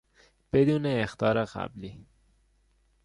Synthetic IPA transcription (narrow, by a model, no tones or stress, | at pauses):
b̥e̞d̪uːneːxt̪ʰɒːɾeɢæ̰bliː